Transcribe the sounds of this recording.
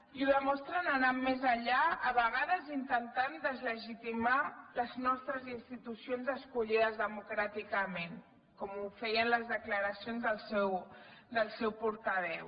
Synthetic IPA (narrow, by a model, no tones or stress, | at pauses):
iuðəmɔst̪ɾənənamːezaʎaəβəɣ̞aðəzint̪ənt̪and̪əzləʒit̪imaləznɔst̪ɾəzinst̪it̪usionzəskuʎiðəzðəmukɾat̪ikəmen | kɔmufɛjənləzðəkləɾəsionzðəlˠsɛwd̪əlˠsɛwpuɾt̪əβ̞ɛw